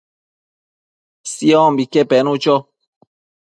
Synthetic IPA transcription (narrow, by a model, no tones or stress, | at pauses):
siɔ̃mbikɛpɛnut͡ʃɔ